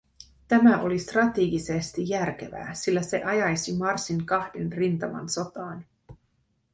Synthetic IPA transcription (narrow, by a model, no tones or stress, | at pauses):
t̪æmæʔo̞list̪rɑt̪iːɡisest̪ijːærk̟e̞̰ʋæ̰ːsilːæse̞ʔɑjɑjsimɑrsiŋkɑhdenrint̪ɑmɑ̰nso̞t̪ɑːn